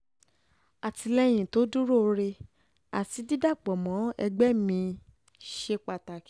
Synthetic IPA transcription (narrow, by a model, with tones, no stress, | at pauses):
a˨ti˧lɛ˦j̃ĩ˨to˨˦du˦ɾo˦˨˧ɾe˧ | a̰˨ti˨˦di˦da˦˨k͡pɔ˨mɔ̃˨˦ɛ̰˧ɡ͡bɛ˦mĩ˧ | ʃe˧k͡pa˧ta˨k